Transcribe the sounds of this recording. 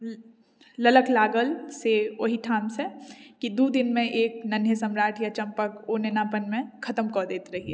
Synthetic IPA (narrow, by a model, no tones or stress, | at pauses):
lɐləklaːɡəlseoɦiʈʰaːmsekid̪ud̪ɪnmẽʔeːknɐnesɐmɾaːʈʰjat͡ʃɐ̃mpəkoːnenaːpənmẽkʰɐt̪əmkɔːɾd̪eːt̪ɾɐɦiɛ̰ː